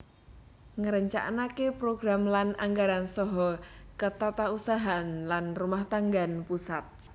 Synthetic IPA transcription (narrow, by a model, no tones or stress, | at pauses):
ŋəɾəɲt͡ʃa̰ʔnakepɾoɡɾamlanaŋɡaɾansɔɦɔkət̪at̪ausaɦanlanrumaht̪aŋɡanpusat̪̚